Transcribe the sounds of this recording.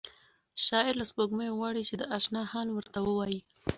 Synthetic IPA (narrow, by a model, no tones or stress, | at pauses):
ʃɑɪɾlaspoɡməjoɣwɑɽit͡ʃed̪əʔɑʃnɑhɑnwəɾt̪awəwɑji